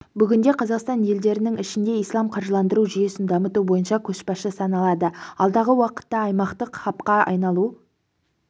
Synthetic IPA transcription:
bʏɡʲɪnd̪e̞qʰɑzɑqst̪ɑnje̞ld̪e̞ɾɪnɪŋɪʃɪnd̪e̞ijslˠɑmqʰɑɾʒəlˠɑnd̪əɾuʒije̞sɪnd̪ɑmət̪ubo̞jənʃɑkʲʰɵʃpɑʃəsɑnɑlˠɑd̪əɑlˠd̪ɑʁəwɑqə̥t̪ːɑːjmɑqt̪əqχɑpqɑɑ̰jnɑlˠu

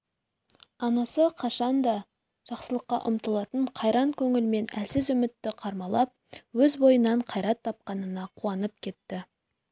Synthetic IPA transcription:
ɑnɑsəqʰɑʃɑnd̪ɑ | ʒ̥ɑqsəlˠəqːɑ̰ʔʊ̰mt̪əlˠɑt̪əɴqʰɑjɾɑŋkʲʰɵŋɪlme̞næ̰lsɪzʏmɪt̪ːɪqʰɑɾmɑlˠɑp̚wɵzbo̞jənɑɴqʰɑjɾɑt̪ʰːɑp̚qɑnənɑqʰuɑnəp̚kʲʰe̞t̪ːɪ

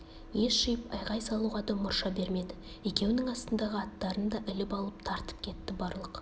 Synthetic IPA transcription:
je̞ʃʃijɪpɑjʁɑjsɑlˠuʁɑd̪ɑmʊɾʃɑbe̞ɾme̞d̪ɪ | je̞kʲe̞wnɪŋɑst̪ənd̪ɑʁəɑt̪ːɑɾənd̪ɑʔɪlɪpɑlˠəp̚t̪ʰɑɾt̪ə̥p̚kʲʰe̞t̪ːɪbɑɾlˠəq

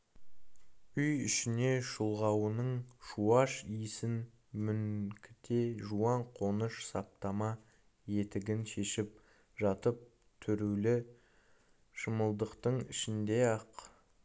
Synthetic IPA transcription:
ʏjʏʃɪne̞ʃʊlˠʁɑwənəɴʃuɑʃijsɪn | mʏŋkʲʰɪ̥t̪eʒuɑɴqʰo̞nəʃsɑp̚t̪ɑmɑ | je̞t̪ɪɡʲɪnʃe̞ʃɪp̚ | ʒɑt̪əp̚ | t̪ʰʏɾulɪ | ʃəməlˠd̪əqt̪əɴɪ̰ʃɪnd̪e̞ɑq

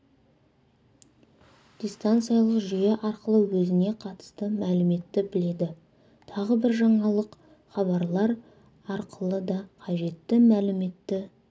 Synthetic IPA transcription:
d̪̥ʲijst̪ant̪sɨjɑlˠəqʒijeʔɑɾqəlˠəwɵzɪne̞qʰɑt̪ə̥st̪əmælɪme̞t̪ːɪbɪle̞d̪ɪ | t̪ʰɑʁəbɪɾʒɑɴɑlˠəq | χɑβɑɾlˠɑɾ | ɑɾqəlˠəd̪ɑqʰɑʒe̞t̪ːɪmælɪme̞t̪ːɪ

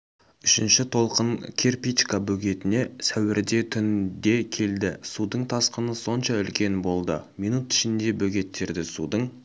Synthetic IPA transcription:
ʏʃɪnʃɪt̪ʰo̞lˠqəɴkʲʰe̞rpit͡ʃkabɵɡʲe̞t̪ɪne̞sæwɪɾd̪e̞t̪ʰʏnd̪e̞kʲʰe̞ld̪ɪsud̪əɴt̪ʰɑsqənəso̞nʃɑʏlkʲe̞nbo̞lˠd̪əmijnut̪ɪ̥ʃɪnd̪e̞bɵɡʲe̞t̪ːe̞ɾd̪ɪsṵd̪əɴ

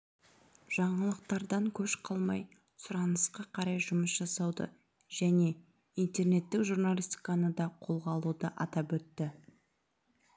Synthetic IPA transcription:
ʒ̥ɑɴəlˠəq̚t̪ɑɾd̪ɑŋkʲʰɵʃqʰɑlˠmɑj | sʊɾɑnəsqɑqʰɑɾɑjʒʊməsʒ̥ɑsɑwd̪ə̰ | ʒ̥æne̞ | int̪e̞rne̞t̪ːɪkʒurnalʲisʲt̪ʲi̥kɑnəd̪ɑqʰo̞lˠʁɑlˠud̪əʔɑt̪ɑpɵt̪ːɪ

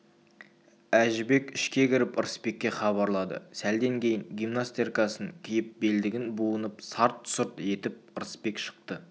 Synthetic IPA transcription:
æʒɪbe̞kʲɪʃkʲe̞kʲʰɪɾɪpəɾəspe̞kʲːe̞χɑβɑɾlˠɑd̪ə̰sæld̪eŋkʲʰe̞jɪŋɡʲijmnast̪erkɑsəŋkʲʰɪjɪp̚beld̪ɪɡʲɪnbuənəpsɑɾt̪sʊɾt̪e̞t̪ɪp̚əɾspe̞kʃə̥q̚t̪ə

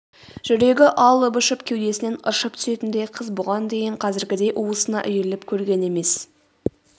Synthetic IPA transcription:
ʒ̥ʏɾe̞ɡʲɪʔɑlˠəbʊʃəpkʲʰewd̪e̞sɪne̞nə̰ʃəp̚t̪ʰʏ̥se̞t̪ɪnd̪e̞jqʰəzbʊʁɑnd̪e̞jɪɴqʰɑzɪɾɡʲɪd̪e̞jʔuwəsənɑ̰ʔʏjelɪpkʲʰɵɾɡʲe̞ne̞me̞s

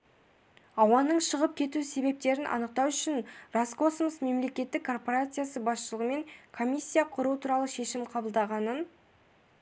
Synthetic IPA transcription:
ɑwɑnəɴʃəʁəp̚kʲʰe̞t̪use̞be̞p̚t̪e̞ɾɪnʔɑ̰nəq̚t̪ɑwʏʃɪnrosko̞smosme̞mle̞kʲe̞t̪ːɪkʰːo̞rpoɾat̪sɨjasəbɑsʃəlˠəʁəme̞ŋkʰo̞mʲijsʲːijaqʰʊɾuət̪ʰuɾɑlˠəʃe̞ʃɪmqʰɑbəlˠd̪ɑʁɑnən

